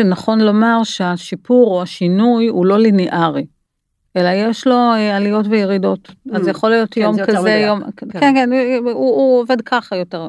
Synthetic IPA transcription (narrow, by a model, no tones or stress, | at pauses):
enaχo̞nlo̞maʁʃeaʃipuʁo̞aʃinujulo̞lineʔaʁi | ʔe̞laje̞ʃlo̞ealijo̞tvejeʁido̞tazjaχo̞lijo̞tjo̞mkazejomkenkenuuove̞dkʰaχajo̞te̞ʁ